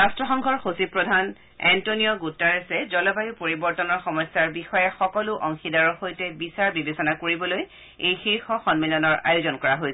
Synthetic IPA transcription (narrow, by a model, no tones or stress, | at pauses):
ɹastɹɔxɔŋɡʱɔɹxosipɹɔdʱan | ɛ̰ntonijɔɡutːaɹesɛzɔlɔbajupoɹibɔɹtɔnɔɹxɔmɔsːaɹbixɔjɛxɔkɔlʊʔɔŋxidaɹɔxojtɛbisaɹbibesɔnakoɹibɔloj | ejxiɹxɔxɔnmilɔnɔɹa̰jʊzɔnkɔɹaɦojsɛ